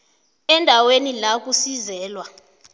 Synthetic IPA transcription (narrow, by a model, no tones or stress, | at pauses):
ɛndʱawenilak̬ʼusizɛːlwa